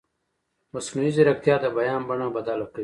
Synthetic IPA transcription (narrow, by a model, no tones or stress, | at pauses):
mɐsnuiziɾɐk̚t̪ijaːd̪ɐbɐjaːmbɐɳãːbɐd̪aːlɐkəi